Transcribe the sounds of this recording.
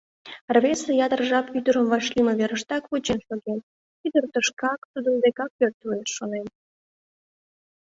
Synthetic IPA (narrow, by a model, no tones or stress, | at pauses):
rβesejɑd̪ərʒɑpyd̪əɾəmvɑʃlimə̆βeɾəʃt̪ɑkβot͡ɕenʃoɣen | yd̪ərt̪əʃkɑkt̪ud̪ənd̪ekɑk̚pørt̪eʃːonen